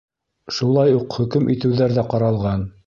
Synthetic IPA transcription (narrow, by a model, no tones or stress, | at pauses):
ʃulˠɑjuqχɵ̆kɘmʔit̪ɘ̆wðæɾðæqɑɾɑlˠʁɑn